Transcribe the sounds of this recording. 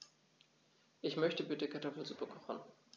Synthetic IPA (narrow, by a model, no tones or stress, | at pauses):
ʔɪçmœçtəbɪtəkʰaɐtʰɔfl̩zupɐkʰɔ̥χn̩